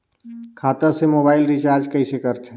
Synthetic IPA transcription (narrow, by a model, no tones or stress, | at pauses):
kʰaːt̪əsemoːbaːɪlɾit͡ʃaːɾd͡ʒkəɪsekəɾt͡ʃʰe